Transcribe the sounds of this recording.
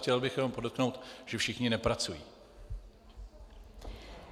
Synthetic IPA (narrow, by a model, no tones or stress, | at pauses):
cɛlbɪxjɛno̞mpodokno̞wt̪ʒ̥ɛfʃɪxɲɪnɛpɾat͡sujḭː